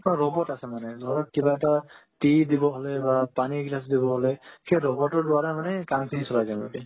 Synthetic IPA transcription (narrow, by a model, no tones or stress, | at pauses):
paɹɔbɔtasɛmanɛzɔɹɔt̚kibaɛtatidibɔɦɔlɛbapaniɡlasdibɔɦɔlɛkejɹɔbɔtɔɹlʊaɹɛmanɛkaŋkʰinisɔlajzanba̰bi